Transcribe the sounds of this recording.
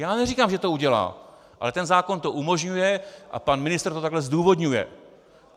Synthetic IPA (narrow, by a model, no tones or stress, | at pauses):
jaːnɛriːkaːmʒɛt̪o̞uɟɛla̰ː | ʔa̰lɛt̪ɛnzaːko̞nt̪o̞ʔumo̞ʒɲujɛʔa̰panmɪnɪst̪rt̪ot̪aɡlɛzduːvo̞d̪ɲujɛ̰